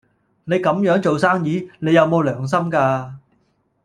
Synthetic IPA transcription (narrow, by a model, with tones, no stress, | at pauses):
ne˨˧jkɐ˨˧˥mjœː˨˥ŋt͡ʃo˨wsaː˥ŋjiː˨˥ne˨˧jɐ˨wmo˨˧wlœː˨˩ŋs̬ɐ˥mkaː˧